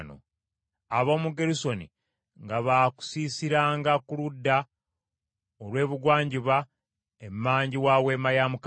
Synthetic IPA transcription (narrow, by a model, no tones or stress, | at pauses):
no̰ | aβo̞ːmuɡeɾuso̞nḭ | ŋɡaβaku̥siːsiɾaːŋɡakuludːa | olwe̞ːβuɡwaːɲɟiβa | emːaːɲɟiwaːwe̞majamuk